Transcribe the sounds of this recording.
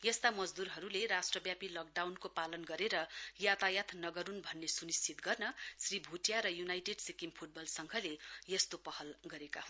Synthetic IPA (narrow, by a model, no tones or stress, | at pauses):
jʌst̪amʌd͡zd̪uɾɦʌɾuleɾasʈrʌbjapilʌk̚ɖawnkopalʌnɡʌɾeɾʌjat̪ajat̪nʌɡʌɾunbʱʌnːesunist͡ʃit̪ɡʌrnʌsribʱuʈjaɾʌjunajʈeɖsikimpʰuʈ̚bʌlsʌŋɡʱʌlejʌst̪opʌhʌlɡʌɾeka̰hun